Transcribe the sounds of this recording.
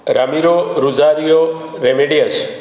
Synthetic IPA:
ɾəmiɾoɾud͡ʒaɾijo | ɾemeɖijəs

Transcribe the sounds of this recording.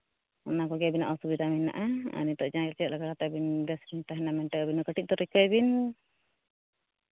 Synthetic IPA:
ɔnakɔɡɛbinaʔɔsubit̪amina̰ʔaa̰nit̪ɔʔd͡ʒaɛlt͡ʃɛʔlaɡakat̪abinbɛsbint̪aɦɛnamɛnʈəkabinɔkəʈiʔ̪̚t̪ɔɾikəjbin

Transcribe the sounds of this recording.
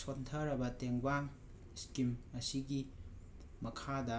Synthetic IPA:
sontʰɐɾɐbɐteŋbaŋ | skimɐsiɡi | mɐkʰadɐ

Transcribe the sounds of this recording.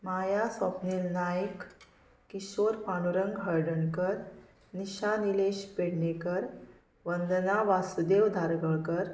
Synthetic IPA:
majasɔpnilnajək | kːiɕoɾpaɳuɾəŋɡɦəɾɖəɳkəɾ | niɕanileɕpeɽɳekəɾ | ʋənd̪naʋasud̪ewd̪ʱaɾɡəɭkəɾ

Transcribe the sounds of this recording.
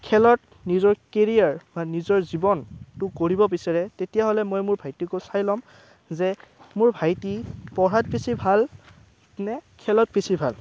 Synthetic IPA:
kʰɛlɔt | nizɔɹkeɹijaɹbanizɔɹzibɔntʊkoɹibɔpisaɹɛtetijaɦɔlɛmojmʊɹbʱajtikosajlɔm | zɛmʊɹbʱajtipɔɹat̚pisʰibʱal | nɛkʰɛlɔt̚pisʰibʱal

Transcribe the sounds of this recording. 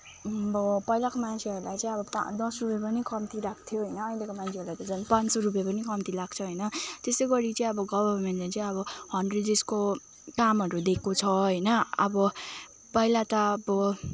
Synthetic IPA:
bʌpʌjlakomant͡sʰiʌɾulajt͡sʌ̃ĩʌbʌpd̪ʌsrupjʌpʌnikʰʌmt̪iɾakʰt̪ʰjoɦʌjnʌːjlekomant͡sʰeʌɾulajt̪ʌd͡zʌnpansʌɾup̬japʌnikʌmt̪ilaɡ̚t͡sʰʌɦʌjnʌt̪esʌɡʌɾit͡sʌĩʌbʌɡʌbʌrmenʈlajt͡sʌ̃ĩʌbʌhʌnredd͡zesko | kamɦʌɾud̪ekʰːot͡sʰʌɦʌjnʌʌ̰bʌ | pʌilat̪ʌʌbʌ

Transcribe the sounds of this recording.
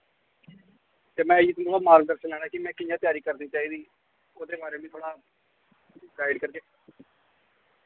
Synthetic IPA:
t̪eːmɛ̃ːd͡ʒiːt̪ʊnoaːmaːɾkd̪əɾʃənlɛːɽaːkɪmɛ̃ːkɪjãːt̪ɪjaːɾiːkəɾd̪iːt͡ʃaːiːd̪iː | oːd̪eːbaːɾeːmĩt̪ʰoːɽaː | ɡaːɪɖkəɾkeː

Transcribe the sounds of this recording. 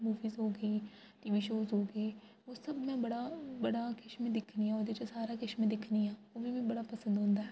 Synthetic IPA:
muːʋiːzɦoːɡəiː | ʈiːʋiːʃoːzɦoːɡəiː | oːsəbmɛ̃ːbəɽaːbəɽaːkɪʃmẽːd̪ɪkʰniːãːoːd̪eːt͡ʃəsaːɾaːkɪʃmẽːd̪ɪkʰniːãːoːʋimɛ̃ːbəɽaːpəsə̃nd̪ɦʊ̃nd̪aːɦɛː

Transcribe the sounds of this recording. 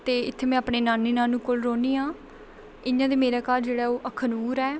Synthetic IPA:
t̪eːɪt̪ʰːeːmɛ̃ːaːpɳeːnaːniːnãːnũːkolɾoːniːãː | ɪjãːd̪eːmeːɾaːkaːɾd͡ʒeːɽaːoːʔəkʰːənuːɾɛː

